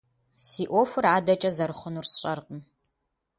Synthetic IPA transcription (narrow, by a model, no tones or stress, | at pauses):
siːʔʷofɨraːdɐt͡ʃʼɐzɐɾɨχʷʊnuːrsɕʼɐrqʼən